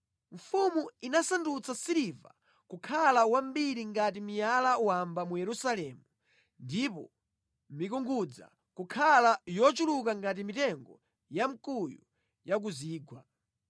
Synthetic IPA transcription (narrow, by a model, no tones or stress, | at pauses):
ɱfumuinasandut͡sasiɾiva̰ | kukʰalawambiɾiŋɡat̬imijalawambamujɛɾusalɛːmu | ndipɔ̰ | mikuŋɡud͡za̰ | kukʰalajɔt͡ʃulukaŋɡat̬imitɛŋɡɔ̰ | jam̩kuju | jak̬uziːɡwa